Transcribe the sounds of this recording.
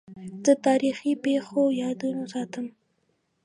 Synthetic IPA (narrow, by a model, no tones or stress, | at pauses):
d̪ət̪ɑɾixipexojɑd̪unosɑt̪əm